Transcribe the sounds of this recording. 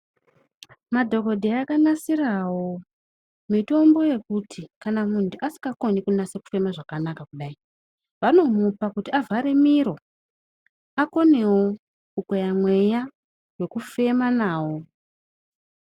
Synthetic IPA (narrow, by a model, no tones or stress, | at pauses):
madʱo̞ko̞dʱeakanasiɾawo̞ | mito̞mbo̞je̞kutʰikanamuntuʔasi̥ŋɡako̞nikunaseku̥fe̞maʐakanakakuɗai | ʋano̞mupakutiavʱaɾe̞miɾo̞ | ako̞ne̞wo | kukojamwe̞ja | we̞kufe̞manaːwo̞